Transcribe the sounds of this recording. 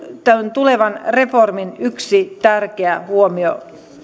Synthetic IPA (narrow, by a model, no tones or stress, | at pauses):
t̪ænt̪ule̞ʋɑnre̞forminyksit̪ærkeæhuomio